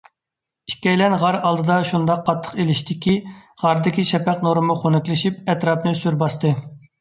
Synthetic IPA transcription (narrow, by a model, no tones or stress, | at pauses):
i̥ʃkʲɛjlɛnʁɑɾɑlˠd̪ɨd̪ɑʃund̪ɑqʰːɑt̪ʰːə̥qelɪʃt̪ɪkʲʰiʁɑɾd̪ɪkʲiʃɛpɛqnoɾɨmʊχonɨkʲlˠɪʃipɛt̪ɾɑpnɨsyɾbɑst̪ɨ